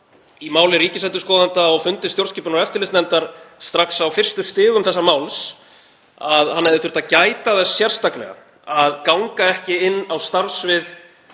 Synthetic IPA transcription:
imaːwlɪriːcɪsɛnt̪ʏskɔːðant̪aɔɣfʏnt̪ɪst̪jowɾt̪sciːpʏnaɛft̪ɪɾlɪsnɛnt̪aɾ̥st̪ɾaksawfɪr̥st̪ʏst̪ɪːɣʏmθɛsːamaːwls | aðhanːɛjðɪθʏɾ̥t̪acaːjt̪aðɛssjɛr̥st̪aklɛ̰ɣa̰ | aðkawŋkaɛhcɪɪnːawst̪aɾsvɪð

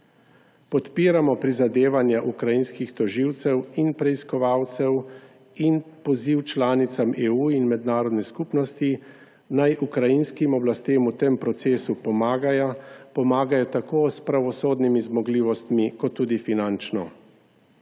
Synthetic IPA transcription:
pɔt̪piːɾamɔpɾizad̪eːʋanjaʔukɾajinskixt̪ɔʒiwt̪sɛwinpɾɛiskɔʋaːwt̪sɛw | inpɔziwt͡ʃlaːnit̪sameːuːinmɛd̪naːɾɔd̪nɛskupnɔst̪i | najʔukɾajinskimɔblast̪eːmut̪empɾɔt̪seːsupɔmaːɡajapɔmaːɡajɔt̪akoːspɾaʋɔsoːd̪nimizmɔɡliːʋɔst̪mikɔt̪ːuːd̪ifinant͡ʃnɔ̰

